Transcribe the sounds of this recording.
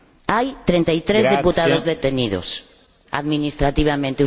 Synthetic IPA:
ajt̪ɾent̪ajt̪ɾezðiput̪aðozðet̪eniðo̰s | a̰ðminist̪ɾat̪iβamẽnt̪eu

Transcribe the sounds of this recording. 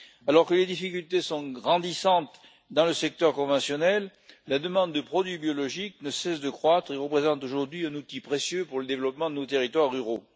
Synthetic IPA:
alɔʁkəled̪ifikʲylt̪esɔ̃ɡʁɑ̃d̪isɑ̃t̪ | d̪ɑ̃ləsɛk̚t̪œʁkɔ̃vɑ̃sjɔnɛlː | ad̪əmɑ̃d̪ːəpχɔd̪ɥibjɔlɔʒik̚nəsɛsd̪əkχwat̪χeʁəpχezɑ̃t̪oʒuʁd̪ɥiɛ̃nut̪ipχesjøpuʁləd̪evlɔpmɑ̃d̪ənot̪eʁit̪waʁːyʁo

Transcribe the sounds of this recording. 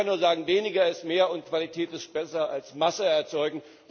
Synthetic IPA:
anuːɐzaːɡŋ̩veːnɪɡɐɪstmeːɐʊntkv̥alitʰɛːtɪsb̥ɛsɐalsmasəɛɐt͡sɔʏɡŋ̩

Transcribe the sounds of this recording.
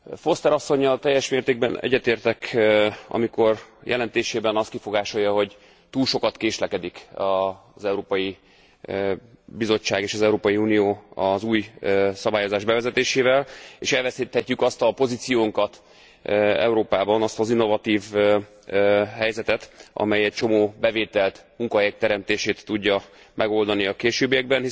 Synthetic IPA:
fo̞st̪ɛɾɒsːo̞ɲːɒlt̪ɛjːɛʃmeːrt̪eːɡ̚bɛnɛ̰ɟːɛt̪eːrt̪ɛkɒ̰miko̞rjʔɛ̰lɛnt̪eːʃeːbɛnɒst̪kifo̞ɡaːʃo̞jːɒɦo̞ɟ | t̪uːlʃo̞kɒt̪keːʃlɛkɛd̪ikɒ | zɛuɾoːpɒji | bizo̞t͡ʃːaːɡeːʃɒzɛuɾoːpɒjiuːnijoːɒzuːjsɒbaːjo̞zaːʒbɛvɛzɛt̪eːʃeːvɛlḛʃɛlvɛsit̪hɛcːykɒst̪ɒpo̞zit̪sijoːŋkɒt̪ | ɛ̰uɾoːpaːbɒnɒst̪ɒzinːo̞vɒt̪iːv | ɦɛjzɛt̪ɛt̪ʔɒ̰mɛjɛc̚t͡ʃo̞moːbɛveːt̪ɛlt̪muŋkɒɦɛjɛk̚t̪ɛɾɛmt̪eːʃeːt̪ːuɟːɒ | mʔɛɡo̞ld̪ɒniɒkeːʃøːbijɛɡ̚bɛnhi

